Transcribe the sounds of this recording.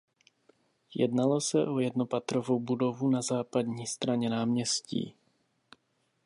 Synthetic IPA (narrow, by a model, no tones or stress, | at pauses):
jɛ̰dnalo̞sɛʔojɛdno̞pat̪ɾovo̞wbudo̞vunazaːpadɲiːst̪ɾaɲɛnaːmɲɛscḭː